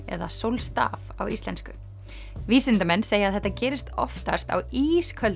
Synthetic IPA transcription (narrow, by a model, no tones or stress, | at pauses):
ɛ̰ðasowlst̪a̰ːvawist̪lɛnskʏ | viːsɪnt̪amɛnːseːjaðɛht̪ːacɛːɾɪst̪ɔ̰ft̪a̰st̪a̰wiːskʰœl